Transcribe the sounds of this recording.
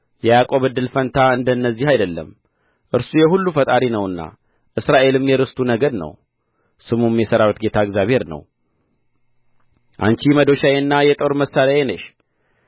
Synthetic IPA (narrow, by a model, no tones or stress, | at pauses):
jɛjakʼo̞βɨd̪ːɨlfənt̪ʰaɨnd̪ənːəzːihajd̪əlːə̰m | ʔɨɾsujɛɦulːufət̪ʼaɾinəwɨnːa̰ | ʔɨsɾaʔe̞lɨmjɛɾɨst̪ʰunəɡəɾnə̰w | sɨmumːjɛsəɾawt̪ɡe̞t̪ʰaɨɡzjaβhe̞ɾnə̰w | ʔa̰nt͡ʃiməd̪o̞ʃajenːajɛt̪ʼo̞ɾməsaɾjajenəʃ